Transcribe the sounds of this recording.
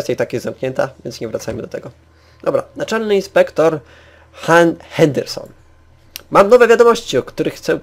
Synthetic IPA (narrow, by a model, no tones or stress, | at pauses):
st̪ʲjat̪akjɛzzamkɲɛnt̪avʲjɛ̰nsɲɛvɾat̪sajmɘd̪ɔt̪ɛɡɔ | d̪̥ɔbɾanat͡ʂɛlnɘinspɛkt̪ɔɾ | xanxɛnd̪ɛɾsɔ̰n | mamnɔvɛvʲjad̪ɔmɔɕt͡ɕiɔkt̪uɾɘxːt̪sɛ